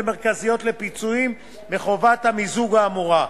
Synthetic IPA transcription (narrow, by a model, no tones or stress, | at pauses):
meʁkazijo̞t̪le̞pit͡suimː | eχo̞vathamizuɡaːmuʁa